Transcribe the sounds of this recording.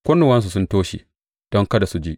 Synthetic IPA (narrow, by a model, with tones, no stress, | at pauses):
kʷʊ˦nu˨wɐ˦ns̬u˨sʊ˦ntoː˦ʃḭ˨ | d̥ɔ˦ŋkɐ˦da˨su˦d͡ʒi˦ʔ